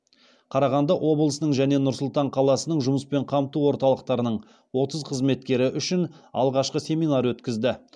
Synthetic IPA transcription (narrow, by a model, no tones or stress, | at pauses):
qʰɑɾɑʁɑnd̪ɑʔo̞blˠəsnəɴʒæn̪e̞nʊɾsʊlˠt̪ɑɴqʰɑlˠɑsənəɴʒʊməspe̞ɴqʰɑmt̪uwo̞ɾt̪ɑlˠəqt̪ɑɾənəɴ | wo̞t̪əzqʰəzme̞t̪kʲe̞ɾɪʔʏʃɪnɑ̰lˠʁɑʃqəsʲe̞mijnɑɾwɵt̪kʲɪzd̪ɪ